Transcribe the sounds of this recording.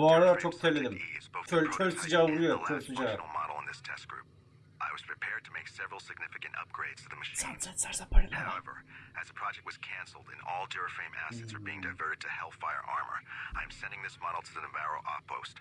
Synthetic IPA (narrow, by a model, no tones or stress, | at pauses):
wɑɾətʰɔktʰɛlɨðə̃mzboʊtʰətʰɜstɨd͡ʒajəostɨd͡ʒal̩ˠmɑ̰ɾl̩ˠə̰̃nðɪstʰɛsɡ̥ɹʉ̰p̚ | ʔaɪwʌz̥pʰɹ̥ɨpʰɛɹd̚tʰəmeɪksɛvɹl̩ˠsɨɡ̚nɪfɨkɨ̃ntʌ̰p̚ɡ̥ɹeɪdz̥tʰɨðɨmɨʃsʌ̃nsɛtsə˞zəpʰɑɹɾhaʊɛvə̰˞ɨzəpʰɹ̥ɑd͡ʒɛk̚t̚wʌz̥kʰæ̃nsl̩ˠdɨ̰̃nɔlˠdɛɹəfɹẽɪ̃mʔæ̰sɛtsə˞biɪ̃ŋdaɪvɜ˞ɾɨd̚tʰɨhɛlˠfaɪə̰˞ʔɑ̰ɹmə̰˞ãɪɨ̃msɛ̃ndɪ̃ŋðɪsmɑɾl̩ˠtʰɨðɨəvæɹoʊʔɔpʰoʊst